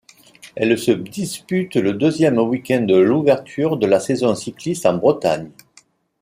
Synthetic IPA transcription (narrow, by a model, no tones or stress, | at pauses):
ɛlsəd̪ispyt̪ləd̪øzjɛmwikʲɛ̃nd̪əluvɛʁt̪ʰyʁd̪əlasezɔ̃siklist̪ɑ̃bʁət̪a̰ɲ